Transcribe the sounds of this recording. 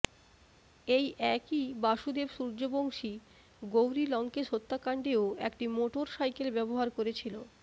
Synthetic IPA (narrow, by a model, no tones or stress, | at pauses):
ejʔɛkibaʃud̪ebʃuɾd͡ʑoboŋʃi | ɡowɾilɔŋkeʃot̪ːakaɳɖeoekʈimoʈoɾʃajkelbɛboɦaɾkoɾet͡ɕʰilo